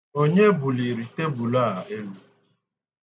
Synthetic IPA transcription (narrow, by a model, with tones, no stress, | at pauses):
o˦ɲe˦bu˨li˨ɾi˨te˦bu˨la˦˨e˦lu˦